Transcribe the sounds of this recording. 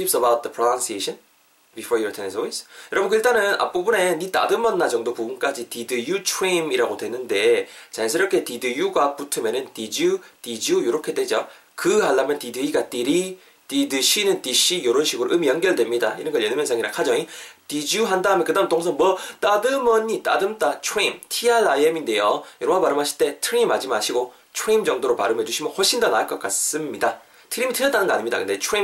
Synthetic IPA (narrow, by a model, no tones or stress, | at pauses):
tʰipsəbawt̚d̪əpʰɾonansieɕʰʌn | bifoɾjutʰenesowisjʌɾʌbɯnkɯiɭt͈anɯnʔa̰p͈obune̞nit͈a̰dɯmʌnːad͡ʑʌŋdopuɡnk͈ad͡ʑitidɯjut͡ɕʰwemiɾaɡodwe̞nːɯnde̞t͡ɕas̬ʰɯɾʌkʰe̞tidɯjuɡaputʰɯmenɯntid͡ʑutid͡ʑujoɾokʰe̞dwed͡ʑo | kɯɦaɭːamjʌntidɯiɡat͈iɾi | tidɯɕʰinɯntiɕijoɾonɕʰiɡɯɾo̰ʔɯmijʌŋɡjʌɭdwe̞mɲida̰ḭɾʌnɡʌɭjenɯmjʌnsʰaŋiɾa̰kʰad͡ʑʌŋitid͡ʑuɦandaɦɯmʌnkɯdamntoŋsʰʌnmwʌt͈adɯmʌɲit͈a̰dɯmt͈at͡ɕʰweimtʰialːajeminde̞jojoɾʌŋapaɾɯmɦaɕʰi̥ɭt͈e̞tʰɯɾimad͡ʑimaɕʰiɡo | t͡ɕʰweimd͡ʑʌŋdoɾopa̰ɾɯmɦed͡ʑuɕʰimʌnhwoɭɕ͈ʰindanaɯɭk͈ʌk͈as͈ɯmɲida | tʰɯɾimitʰɯɾjʌt͈anɯnɡʌa̰ɲimɲidakɯndet͡ɕʰeim